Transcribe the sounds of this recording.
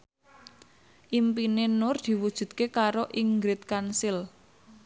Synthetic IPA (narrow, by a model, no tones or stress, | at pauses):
ʔimpinenʊrd̪̥i̤wud̥ʒ̥ṳt̪̚kekaɾoʔiŋɡɾɪt̪̚kansɪl